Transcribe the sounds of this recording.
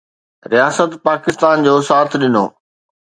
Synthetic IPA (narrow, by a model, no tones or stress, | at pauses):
ɾijaːsət̪paːkɪst̪aːnd͡ʑoːsaːt̪ʰɗɪno̰ː